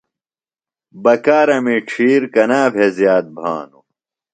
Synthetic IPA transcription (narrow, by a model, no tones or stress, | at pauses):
bɐkaːɾɐmiʈ͡ʂʰiːɾkɐnaːbʱezjaːt̪̚bʱa̰ːnu